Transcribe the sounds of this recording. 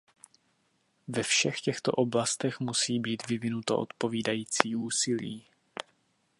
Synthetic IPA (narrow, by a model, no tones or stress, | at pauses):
vɛfʃɛxcɛxt̪o̞̰ʔo̞blast̪ɛxmusiːbiːt̪vɪvɪnut̪oʔo̰t̪po̞viːdajiːt͡siːʔuːsɪlḭː